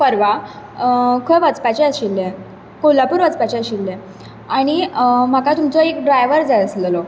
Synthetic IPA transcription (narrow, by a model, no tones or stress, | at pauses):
pəɾʋa | kʰəʋət͡spat͡ɕeəɕilːẽ | kolapuːɾʋət͡spat͡ɕɛəɕilːẽ | aɽ̃im̤akat̪umt͡sɔekɖɾajʋəɾd͡zajəsləlɔ